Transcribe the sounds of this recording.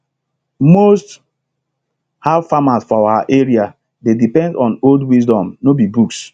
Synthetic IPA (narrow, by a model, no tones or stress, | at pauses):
most | havfamasfɔaaʔeɹia | dedipɛ̃ndɔ̃noldwisdɔ̃mnobibuks